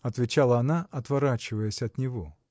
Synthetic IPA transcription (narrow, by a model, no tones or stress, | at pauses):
ɐt̪vʲɪt͡ɕalˠəɐnaʔɐt̪vɐɾat͡ɕɪvəjəsʲɐt̪nʲɪvo